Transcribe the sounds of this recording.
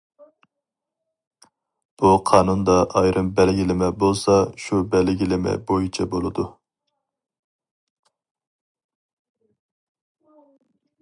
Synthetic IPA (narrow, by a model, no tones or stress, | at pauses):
b̥uqʰɑːnund̪ɑʔɑjɾʔɨmbɛlɡʲilɪmɛbolˠsɑʃubɛlɡʲilɪmɪ̰bojit͡ʃʰɛbolˠɨd̪u